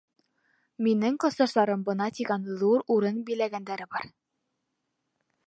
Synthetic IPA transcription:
minɘŋqɤ̆sɑʃt̪ɑɾɤmbɤ̆nɑt̪iɡænðuɾuɾɤnbijlæɡænd̪æɾɘbɑɾ

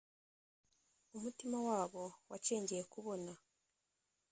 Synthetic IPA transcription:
umutimawaːβo̞waceːɲɟiɾekuβo̞na

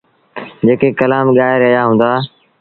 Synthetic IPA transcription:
d͡ʑeːkekəlaːmɠaːɦɪɾəɦjaɦũːnd̪aː

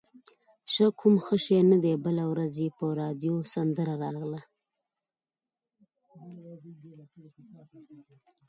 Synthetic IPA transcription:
ʃəkʰʊmxəʃenad̪ebəlawɾazepəɾɑd̪josand̪əɾaɾɑɣla

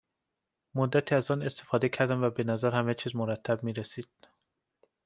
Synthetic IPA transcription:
mod̪ːæt̪ʰiːæzɒːne̞st̪e̞fɒːd̪ecʰæɾd̪æmvæbe̞næzæɾhæmet͡ʃʰiːzmoɾæt̪ʰːæb̚miːɾesiːd̪̥

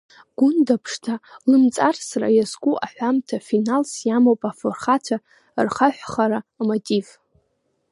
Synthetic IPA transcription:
ɡ̥ʷʊndapʰʂtʰalɨmt͡sʼarsra̰jazkʷʼuʔaħʷᶣamtʰafinalsjamowpʼaforχatʷʰa | rχaħʷᶣχaɾaːmotʼiv

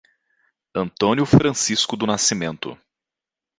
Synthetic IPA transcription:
ɐ̃nt̪õnjʊfɾɐ̃siskʊd̪ʊnasimẽnt̪ʊ̰

